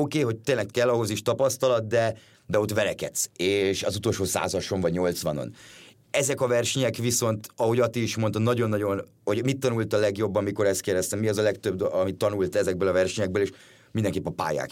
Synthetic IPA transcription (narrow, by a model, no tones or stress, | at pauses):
okeːɦo̞c̚t̪eːnlɛkkɛlːɒɦo̞ziʃt̪ɒpɒst̪ɒlɒt̪̚d̪ɛ | d̪ɛo̞t̪ʋɛlɛkɛ̰t̪seːʃɒzut̪o̞lʃoːsa̰ːzɒʃoɱvɒɟɲo̞lt̪svɒno̰n | ɛzɛkɒvɛrʃɛɲɛkʋiso̞nt̪ɒɦo̞ɟɒt̪iiʃmont̪ɒnɒɟo̞nːɒɟo̞n | ho̞ɟmit̪ːɒnult̪ɒlɛɡjo̞bːɒmiko̞ɾɛst̪̚keːrd̪ɛst̪ɛmːiɒzɒlɛkt̪øb̚d̪ɒmit̪ːɒnult̪ɛzɛɡ̚bøːlɒvɛrʃɛɲɛɡ̚bøːleːʃ | mind̪ɛŋkeːpːɛpa̰ːja̰ːk